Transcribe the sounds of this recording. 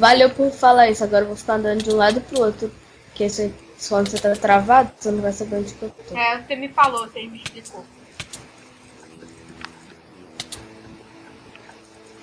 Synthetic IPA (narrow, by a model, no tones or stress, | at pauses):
valewpũfalaisʊaɡɔɾɐvowfi̥kaɐ̃nd̪ɐ̃nd̪ʊd͡ʒɪũlad̪ʊpɾʊot̪ɾʊ | kes | kwɐ̃nd̪ʊset̪at̪ɾavad̪ʊsɐ̃d̪ʊvajseɡɾɐ̃d͡ʒɪpɾot̪oɛsemɪfaloseĩmeʃpliko